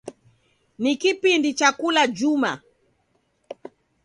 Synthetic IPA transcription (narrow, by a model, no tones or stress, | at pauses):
nikipindit͡ʃakulad͡ʒuma̰